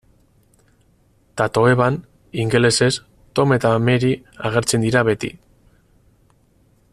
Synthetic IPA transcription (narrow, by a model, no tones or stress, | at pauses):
t̪at̪o̞eβan | iŋɡele̞se̞s | t̪o̞me̞t̪ame̞ɾi | aɣ̞e̞ɾt͡se̞nd̪iɾaβe̞t̪ḭ